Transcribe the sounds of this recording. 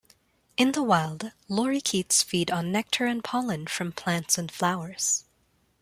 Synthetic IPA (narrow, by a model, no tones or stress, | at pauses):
ɨ̃nðəwaɪlˠdlɔɹikʰitsfiɾn̩ːɛk̚tʰə˞ɨ̃npʰɑlˠɨ̃nfɹʌ̃mpʰl̥æ̃ntsɨ̃nflaʊə˞z̥